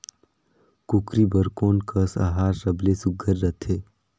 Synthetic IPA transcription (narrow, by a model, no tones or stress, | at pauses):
kukɾiːbəɾkoːnkʰəsa̰ɦaːɾɾəblesʊɡʱəɾːət̪ʰeː